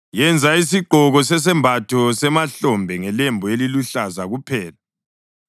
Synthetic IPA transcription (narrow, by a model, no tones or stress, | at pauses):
jɛnd͡zʱaisiɡ͡ǃʱɔɣɔsɛs̬ɛmbʱatʰɔsɛmaɬɔmbʱɛŋɛlembʱɔeliluɬazaɣupʰɛːla